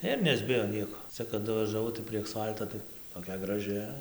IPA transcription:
ɪr nʲɛzʲˈbʲɪjoː ˈnʲiɛkoː ˈt͡sʲɛ kɐˈdʊ ʋɐʒɐˈʋɐʊ tɐɪ pʲrʲiɛ ɐksˈfɐlˠtoː tɐɪ toːˈkʲɛ ɡrɐˈʒʲɪ

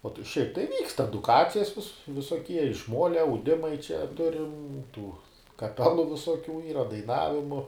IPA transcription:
ˈoː ʃʲɛɪp tɐɪ ˈʋʲiːkst ɛdʊˈkɑːt͡sʲɪjɛs ʋʲɪs ʋʲɪsoːˈkʲiɛ ɪʃ ˈmoːlʲɛ ɐʊˈdʲɪmɐɪ t͡ʃʲɛ ˈtʊrʲɪm ˈtuː kɐˈpʲæːlˠʊ ʋʲɪsoːˈkʲuː ˈiːrɐ dɐɪˈnɑːʋʲɪmʊ

